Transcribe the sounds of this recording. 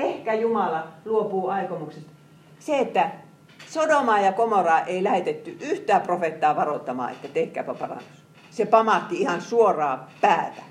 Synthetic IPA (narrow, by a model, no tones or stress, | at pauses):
ehkæjumɑlɑluopuːɑikomuksest̪ | seet̪ːæ | sodomɑːjɑkomorɑːʔeilæhet̪et̪ːyʔyht̪æːprofet̪ːɑːʋɑrot̪ːɑmɑ̰ːḛt̪ːæt̪ehkæ̰ːpæpɑrɑ̰nːus | sepɑmɑt̪ːiihɑnsuorɑːpæːt̪æ